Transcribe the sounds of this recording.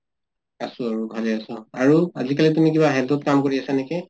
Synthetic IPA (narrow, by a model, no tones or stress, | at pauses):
asʊ̃aɹubʱalɛasʊaɹuazikalitumikibaɦɛltɔt̚kamkoɹiasanɛkɛ